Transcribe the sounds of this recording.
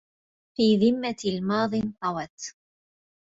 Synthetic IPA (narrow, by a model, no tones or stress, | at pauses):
fiːðɪmːalmɑːðˤɨnt̪ˤɑwɑt̪